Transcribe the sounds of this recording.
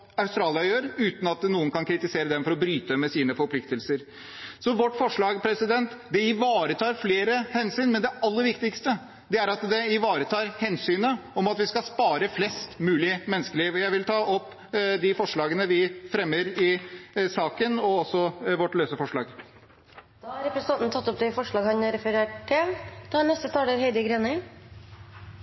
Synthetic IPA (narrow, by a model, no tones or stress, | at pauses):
ɑʉst̪ɾɑːlɪɑjøːɾʉːt̪nɑt̪nuːənkɑnkʰɾɪt̪ɪseːɾəd̪ɛmfɔɾɔbɾyːt̪əd̪ɛmːɛsiːnəfɔɾpʰlɪkt̪əlsəɾ | sɔʋɔʈːfɔʂɭɑːɡpʰɾɛsɪd̪ɛnt̪d̪ɛɪʋɑːɾət̪ʰɑːɾfleːɾəhɛnsyːnmɛnd̪ɛɑlːəɾʋɪkt̪ɪkst̪ə | d̪ɛæɾɑt̪d̪ɛɪʋɑːɾət̪ʰɑːɾhɛnsyːnəɔmɑt̪ʋɪskɑspɑːɾəflɛst̪mʉːlɪmɛnəskəliːʋɔjæɪʋɪlt̪ʰɑːʔɔpː | d̪ɪfɔʂɭɑːɡənəʋɪfɾɛmːəɾɪsɑːkənɔɔsɔʋɔʈløːsəfɔʂɭɑːɡ | d̪̥ɑɾɛpɾɛsnɑnt̪nət̪ʰɑt̪ːɔp̚d̪ɛfɔʂɭɑːɡhɑnɾɛfəɾeːʈʈːɪld̪̥ɑnɛst̪ət̪ʰɑːɖəɾhɛɪd̪əɡɾɛnə